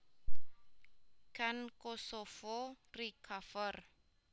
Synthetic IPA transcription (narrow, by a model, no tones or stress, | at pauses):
kʰankɔsɔfɔrikʰafɔr